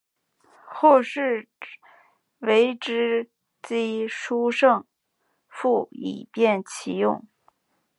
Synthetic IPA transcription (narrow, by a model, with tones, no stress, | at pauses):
xwɔ˥˧ʂɻ̩˥˩ | we˧˥ɪʈ͡ʂɻ̩˥ | t͡ɕi˥ʂu˥ʂɤ˥˧ŋ | fu˥˩ḭ˨˩pjɛ˥˩nt͡ɕʰi˧˥jʊ̰˥˩ŋ